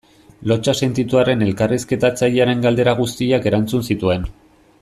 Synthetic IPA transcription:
lo̞t͡ʃase̞nt̪it̪uaɾe̞ne̞lkariske̞t̪at͡saʎiaɾe̞ŋɡald̪e̞ɾaɣ̞ust̪iake̞ɾant͡sunsit̪ue̞n

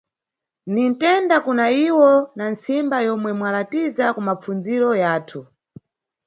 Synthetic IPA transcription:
nintɛndakunaiwɔnansimbajɔmwɛmwalatizakumap͡funziɾɔjaːtʰu

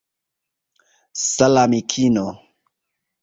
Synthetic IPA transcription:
salamikʰino

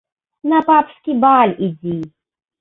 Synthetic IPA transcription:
napapʰʂkʲibaːlidiː

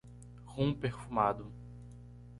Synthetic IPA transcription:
hũpeɾfumad̪ʊ

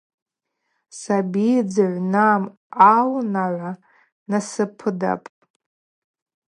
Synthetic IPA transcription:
sabid͡zɨʕʷnam | alnaʕʷa | nasɨpʰɨda̰pʼ

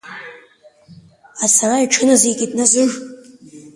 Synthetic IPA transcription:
asaraiʈ͡ʂʰɨnazeɡʲitʼnazɨʐ

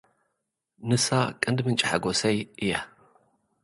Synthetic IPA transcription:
nɨsakʼɨnd̪mɨnt͡ʃʼɪħaɡosɐjʔɨjɐ

